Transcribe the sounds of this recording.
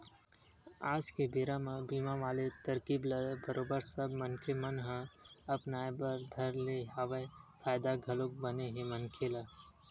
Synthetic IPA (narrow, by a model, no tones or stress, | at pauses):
aːd͡ʒkebiɾamãbiːmaʋaːlet̪əɾkiːbləbəɾoːbəɾsəbmənkʰemɐnɦãɐpnaːjbəɾd̪ʱɐɾleɦaːʋefʰaːjd̪aɡʱɐlok̚bəneɦemənkʰela